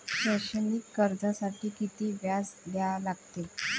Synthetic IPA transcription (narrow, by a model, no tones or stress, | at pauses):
ɕəɕənikːəɾd͡zasaʈiːkit̪iːʋjasd̪jalaɡt̪e